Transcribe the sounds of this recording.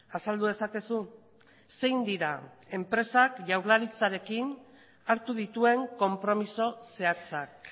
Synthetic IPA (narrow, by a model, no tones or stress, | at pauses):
asald̪uðe̞sake̞su | se̞jnd̪iɾa | e̞mpɾe̞sakʝawɾlaɾit͡saɾe̞kin | aɾt̪uð̞it̪ue̞ŋko̞mpɾo̞miso̞se̞at͡sak̚